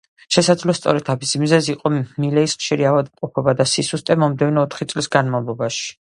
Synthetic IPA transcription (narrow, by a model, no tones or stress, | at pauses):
ʃɛsad̪zlɔst̪sʼɔ̰ɾɛt̪ʰamisimizɛziːqʼɔmilɛisχʃiɾiavad̪mqʼɔpʰɔbad̪asisust̪ʼɛmɔmd̪ɛvnɔɔt̪ʰχit̪sʼlisɡanmavlˠɔbaʃi̥